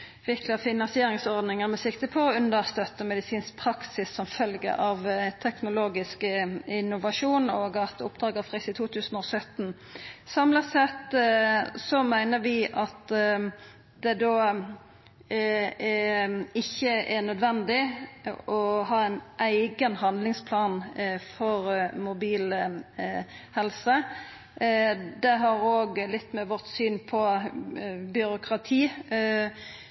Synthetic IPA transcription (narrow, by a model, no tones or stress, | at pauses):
ʋɪkʰlɑfɪnɑnsɪeːɾɪŋsɔʁd̪nɪŋənmɛsɪkt̪əpʰɔɔʉnd̪əst̪œt̪ːəmɛd̪ɪsiːnspʰɾɑksɪsːɔmfœlɡə̰ʔɑʋt̪ʰɛknʊloːɡɪskəɪnːʊʋɑʂuːnoːɡɑt̪ʰʊ̰pd̪ɾɑːɡəfʁɪsɪt̪ʰuːt̪ʰʉːsənɔsœt̪ːn̩ | sɑmləsɛt̪ː | sɔmæɪnəɾʋɪʔɑt̪ | d̪ɛd̪oː | ɪçːəɛnœd̪ʋɛnd̪ɪ | ɔɦɑːæɪnʔæɪɡənhɑnd̪lɪŋspʰlɑːnfɔɾmʊbiːlə | hɛlsə | d̪ɛɦɑɾoːɡlɪt̪ːmɛʋɔʁt̪syːnpʰɔ | bʏɾʊkʰɾɑt̪ʰiː